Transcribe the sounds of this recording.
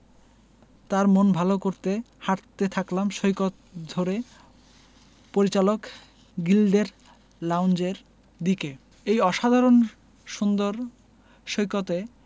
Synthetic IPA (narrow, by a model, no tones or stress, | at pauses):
t̪aɾmonbʱalokoɾt̪e | haɾt̪et̪ʰaklamʃojkot̪d̪ʱoɾe | poɾit͡ɕalok | ɡilɖeɾ | lawnd͡ʑeɾ | d̪ike | ejɔʃad̪ʱaɾon | ʃund̪oɾ | ʃojkot̪e